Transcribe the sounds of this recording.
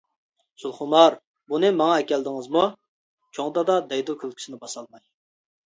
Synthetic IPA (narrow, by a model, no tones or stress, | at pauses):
sulˠχʊmɑɾ | bunɨmɑŋɑɛkʲɛld̪ɪŋɨzmu | t͡ʃʰoŋd̪ɑd̪ɑd̪ɛjd̪ukʲʰølˠkʲy̥sɪnɪbɑsɑlˠmɑj